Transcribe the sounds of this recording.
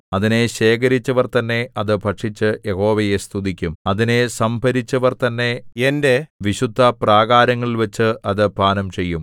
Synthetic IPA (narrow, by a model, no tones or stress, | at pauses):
ɐðine̞ɕe̞ːk̬ɐɾit͡ɕːɐʋɐrt̪ɐnːe̞ɐðɨpɐʈʂit͡ɕːɨjeho̞ːʋɐje̞st̪ʰuðikʲːumɐðine̞sɐmbʱɐɾit͡ɕːɐʋɐrt̪ɐnːe̞ende̞ʋiɕud̪ʱːɐpraːɣaːɾɐŋːɐɭʋɐt͡ɕːɨʔɐðɨpaːnɐmt͡ɕe̞jːum